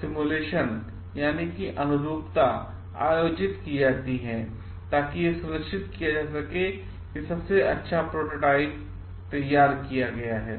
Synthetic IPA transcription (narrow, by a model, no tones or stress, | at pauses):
sɪmuleːʃən | jaːnikiʔɐnʊɾuːpt̪a | a̰ːjoːd͡ʒɪt̪kid͡ʒaːt̪iɦɛ̃ː | t̪aːkijesʊɾəkʃɪt̪kijad͡ʒaːsɐke | kisɐbseʔɐtːʃʰapɾoːʈoːʈaːɪp̚ | t̪ɐjːaːɾkijaɡɐjaɦɛ̰ː